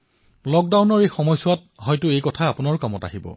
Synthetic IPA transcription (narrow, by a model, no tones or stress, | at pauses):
lɔk̚dawnɔɹejxɔmɔjsʊwat̚ | ɦɔjtʊejkɔtʰaːpʊnaɹʊkamɔta̰ɦibɔ̰